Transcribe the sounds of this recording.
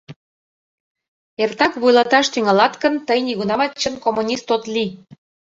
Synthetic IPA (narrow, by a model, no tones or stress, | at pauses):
ert̪ɑkβujlɑt̪ɑʃt̪yŋɑlɑt̪kə̆nt̪əjniɣunɑmɑt͡ɕːənkomunʲist̪ot̪li